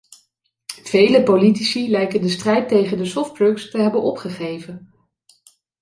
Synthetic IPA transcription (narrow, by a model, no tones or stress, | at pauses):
v̥ejləpolitisilɛjkəndəstrɛjtejχəndəsɔftbɹɵkstəɦɛbənɔpχəχejvən